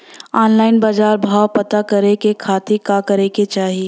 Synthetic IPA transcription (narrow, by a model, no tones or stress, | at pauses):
aːnlaːɪnbaːd͡ʒaːɾbʱaːwpɐt̪akɐɾekekʰaːt̪ikakɐɾeket͡ʃaːɦie